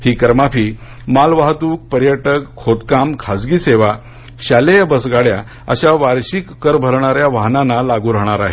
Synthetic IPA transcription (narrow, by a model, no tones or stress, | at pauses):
hiːkəɾmapiː | malʋaɦt̪uːk̚pəɾjəʈəkʰːot̪kamkʰad͡zɡiːseʋa | ɕalejbəsɡaɽja | ə̰ɕaʋaɾɕikːəɾbʱəɾɳ̃aɾjaʋaɦnanalaɡuːɾəɦɳ̃aɾaɦe